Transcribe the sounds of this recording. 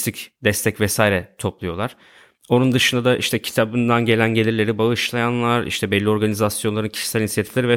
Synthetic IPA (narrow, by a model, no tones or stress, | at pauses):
t̪ʰicd̪ɛst̪ʰɛcvɛsaːiɾɛt̪ʰo̞plˠujo̞lˠaɾ̥ | o̞nund̪ɯʃɯnd̪ad̪aʔiʃt̪ʰɛcʰi̥t̪ʰabɯnd̪anɟe̞lʲænɟe̞lʲiɾlʲe̞ɾibaɯʃlˠajanlˠaɾḭʃt̪ʰɛbɛlʲːio̞ɾɡanizasjo̞nlˠaɾɯncʰi̥ʃi̥sɛlʲinsjet̪ʰi̥flʲeɾivɛ